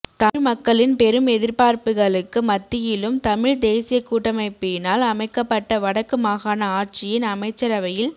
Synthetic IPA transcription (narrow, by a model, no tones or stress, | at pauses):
t̪ɐmɐkːɐɭɪnpɛɾɯmɛðɪɾpaːɾpɯɣɐɭɯkːɯmɐt̪ːɪjɪlɯmt̪ɐmɪɻd̪eːsɪjɐkːuːʈːɐmɐɪpːɪnaːlɐmɐɪkːɐpːɐʈːɐʋɐɽɐkːɯmaːɣaːnɐaːʈt͡ʃɪjɪnɐmɐɪt͡ʃːɐɾɐʋɐjɪl